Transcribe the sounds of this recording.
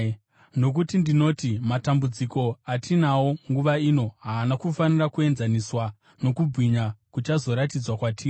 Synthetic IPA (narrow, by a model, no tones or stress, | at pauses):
no̞k̬utindino̞timatambud͡ziko̞atʰinawo̞ŋɡuʋaino̞ɦaːnakufanirakue̞nzaniswa | no̞kub͡vʱwiɲakut͡ʃazo̞ɾatid͡zwakwatʰiːri